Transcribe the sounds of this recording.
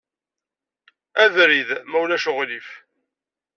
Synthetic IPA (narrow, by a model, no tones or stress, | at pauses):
æðɾiðmæwlæʃʊʁlif